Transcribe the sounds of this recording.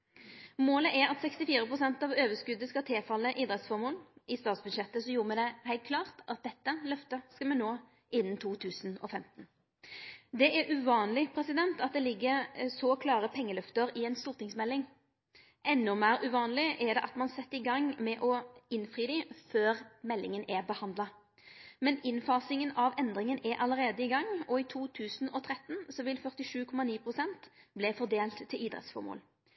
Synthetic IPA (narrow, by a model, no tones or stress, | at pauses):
moːləʔæɾɑt̪sɛkst̪ɪfiːʁəpʁʊsɛnt̪ɑʋøːʋəskʉd̪əskɑt̪ʰɛːfɑlːəʔiːd̪ɾɛt̪sfɔʁmoːnɪst̪ɑːt̪sbʉd̪ʃɛt̪ːəsɔjuːʁəmɛd̪ɛhæɪlt̪kʰlɑːʁt̪ɑt̪̚d̪ɛt̪ːəlœft̪əskɑmɛnoː | ʔɪnːənt̪ʰuːt̪ʰʉːsn̩ɔ̰fɛmt̪n | d̪ɛʔæɾʔʉʋɑːnlɪpʰɾɛsɪd̪ɛnt̪ɑt̪̚d̪ɛlɪɡːəsɔkʰlɑːʁəpʰɛŋːəlœft̪əɾɪɛɪnst̪uːʁt̪ɪŋsmɛlːɪŋ | ʔɛnːʊmæːɾʉʋɑːnlɪʔɛd̪ɛʔɑt̪mɑnsɛt̪ːəɪɡɑŋmɛʔɔɪnfʁiːd̪iːføːʁmɛlːɪŋənʔæʁbəhɑnd̪lɑ | mɛnɪnfɑːsɪŋənɑʋɛnd̪ʁɪŋənɛɾʔɑləʁeːd̪əɪɡɑŋːɔɪt̪ʰuːt̪ʰʉːsn̩ɔt̪ʰʁɛt̪nsɔʋɪlfœʁt̪ɪʂʉːkʰɔmɑniːpʰʁʊsɛnt̪blɛfɔʁd̪eːlt̪ʰːɪliːd̪ʁɛ̰t̪sfɔ̰ʁmo̰ːl